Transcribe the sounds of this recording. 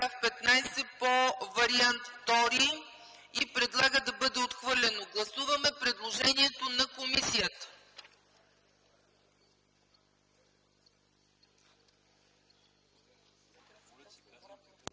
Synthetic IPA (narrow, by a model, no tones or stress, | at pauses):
afpɛt̪najsɛpovɐɾiant̪ːɔɾi | ipɾɛd̪lˠaɡəd̪ɐbɤd̪ɛot̪xvɤɾlʲɛnoɡlˠɐsuvɐmɛpɾɛd̪lˠoʒɛniɛt̪onɐkomisijət̪ə̥